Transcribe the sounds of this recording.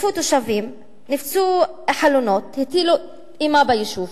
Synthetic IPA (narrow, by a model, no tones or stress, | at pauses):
fut̪uʃavim | nift͡su | ħalunot̪hit̪ilu | imabajiʃuf